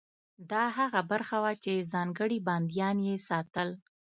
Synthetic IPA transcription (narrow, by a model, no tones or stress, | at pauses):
d̪ɑɦaɣabaɾxawat͡ʃezɑŋɡəɽibɑnd̪jɑnjesɑt̪əl